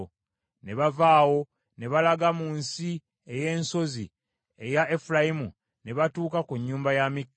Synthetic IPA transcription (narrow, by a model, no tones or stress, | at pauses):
ne̞βavaːwo̞ | ne̞βalaɡamuːnsi | e̞je̞ːnso̞zḭ | e̞jaefulajimu | ne̞βatuːkakuɲːuːmbajamikː